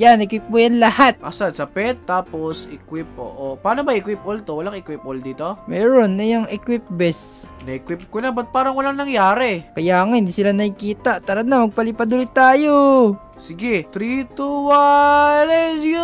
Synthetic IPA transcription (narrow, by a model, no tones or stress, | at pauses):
janɛkwip̚mʊjanlɐhat̪̚ʔasad̪sɐpɛt̪ːaːposʔɛkwɪp̚ʔo̰ʔopaːnobɐɪkwip̚ʔolt̪owɐlaŋɪkwip̚ʔold̪iːt̪omɛːɹonːɐjɐŋɛkwip̚bɛs | nɐʔɪkwɪp̚kʊnabɐt̪̚paːɾɐŋwɐlaŋnɐŋjaːɾɛkɐjaʔŋahɪnd̪iːsɪlanɐɪkiːt̪aʔt̪ɐɾɐd̪nːɐmɐɡ̚pɐlɪpad̪ʊlɪt̪ːaːjo | sɪɡɛt̪ɾit̪uwalɛs